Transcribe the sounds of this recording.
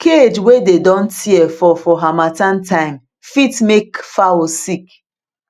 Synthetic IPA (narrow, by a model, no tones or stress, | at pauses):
kʰed͡ʒwededɔ̃n̩tiɛfɔfɔɦamatantaɪm | fitmekfawosik